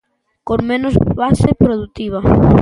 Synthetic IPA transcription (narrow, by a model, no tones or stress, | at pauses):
koŋmenosβasepɾoðut̪iβ̞ɐ